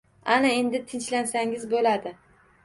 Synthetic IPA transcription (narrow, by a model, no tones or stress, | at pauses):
anae̞nd̪ɪt̪ʰɪnt͡ʃlansaŋɪzbolad̪ɪ